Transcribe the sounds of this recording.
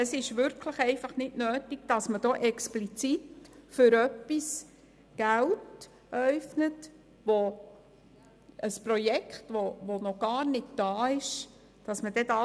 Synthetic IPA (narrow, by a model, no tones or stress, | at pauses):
əsɪʃʋʏɾkʰləχɛɪfɑχnɪdnøːtiɡ̥̚d̥ɑsməd̥ɔʔɛksplit͡sitfʏɾœpːis | ɡ̥ælt | œɥfnət | ʋo | əsprɔjɛkχtʋoʋɔnɔɡ̥ɑːɾnɪtd̥ɑːɪʃ | d̥ɑsməd̥ɛdɑ